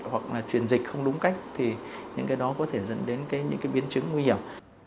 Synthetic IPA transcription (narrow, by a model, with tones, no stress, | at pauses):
wa˨˩k̚laː˨˩t͡ɕwi˨˩ənzi˨˩k̟xə˧wŋ͡mɗʊ˨˦ŋ͡mka˦˥jk̟̚t̪ʰi˨˩ɲɨ̰˧˥ŋkaː˨˦jɗɔ˨˦kɔ˨˦t̪ʰe˧˩zə̰˧˥nɗe˨˦nkaː˨˦jɲɨ̰˧˥ŋkaː˨˦jɓi˨˦ənt͡ɕɨ˨˦ŋːwi˧hi˧˩əm